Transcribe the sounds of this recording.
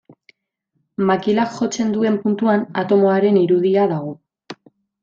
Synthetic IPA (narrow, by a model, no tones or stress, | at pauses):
makilakʝo̞t͡se̞nd̪ue̞mpunt̪uana̰t̪o̞mo̞aɾe̞niɾuð̞iaðaɣ̞o̞